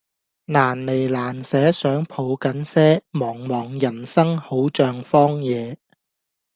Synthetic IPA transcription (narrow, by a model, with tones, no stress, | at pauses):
naː˨˩nle˨˩jlaː˨˩nsɛː˨˥sœː˨˥ŋpʰo˨˧wkɐ˨˥nsɛː˥mɔː˨˩ŋmɔː˨˩ŋjɐ˨˩nsɐ˥ŋho˨˥wt͡ʃœː˧ŋfɔː˥ŋjɛː˨˧